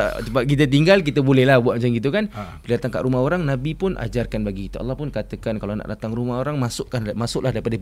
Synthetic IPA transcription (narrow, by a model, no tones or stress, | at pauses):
t̪əbak̬it̪̬ət̪̬iŋɡalk̬it̪əbolɛhlahbuat̪̚mat͡ʃaŋɡit̪̬ukanpəliat̪aŋka̰ʔɾumaɦoɾaŋnabipʊnʔa̰d͡ʒarkanbaɡikit̪əɑ̰lːɑhpʊnkat̪əkankalana̰ʔdat̪aŋɾumaɦoɾaŋmasʊʔkamasʊʔlahdaɾipada